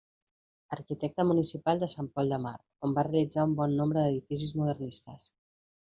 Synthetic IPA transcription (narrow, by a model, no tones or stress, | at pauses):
əɾkit̪ɛk̚t̪əmunisipalˠd̪əsampɔlˠd̪əma̰ɾ | ombarelid͡zaumbɔnːombɾəðəðifis̬izmuðərnist̪əs